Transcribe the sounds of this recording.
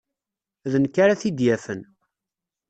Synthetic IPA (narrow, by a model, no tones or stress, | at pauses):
ðənkːaɾaθid̪jæfən